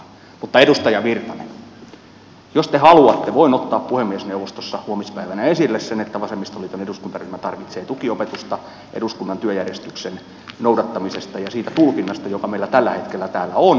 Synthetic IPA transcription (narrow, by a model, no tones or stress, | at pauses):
mut̪ːɑedust̪ɑjɑʋirt̪ɑnḛn | jost̪ehɑluɑt̪ːeʋoinot̪ːɑːppuhemːiesneuʋost̪osːɑhuomispæiʋænæesilːessenet̪ːæʋɑsemːist̪oliːt̪oneduskunt̪ɑryhmæt̪ɑrʋit̪seːt̪ukiopet̪ust̪ɑ | ʔḛɾuskunːɑnt̪yøjærjest̪yksen | noudɑt̪ːɑmisest̪ɑjɑsiːt̪æt̪ulkinːɑst̪ɑjokɑmeilːˑæt̪ælːæhet̪kelːæt̪æːlːæon